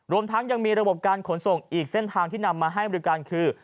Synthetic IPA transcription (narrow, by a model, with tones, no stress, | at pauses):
ɾu˧əmt̪ʰa˦˥ŋja˧ŋmiː˧ɾa˧bo˨˩p̚kaː˧nkʰo˩˦nso˨˩ŋʔiː˨˩k̚se˥˩nt̪ʰaː˧ŋt̪ʰiː˥˩na˧mːaː˧ɦa˥˩jbɔ˧i˦˥kaː˧nkʰɯː˧